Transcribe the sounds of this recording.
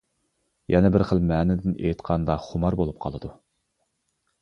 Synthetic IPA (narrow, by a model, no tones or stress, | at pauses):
jʔɛnɛbɪɾχəlˠmɛːnɪd̪ɪnʔḛjt̪qʰɑnd̪ɑχʊmɑɾbolˠup̚qʰɑ̰lˠɨd̪u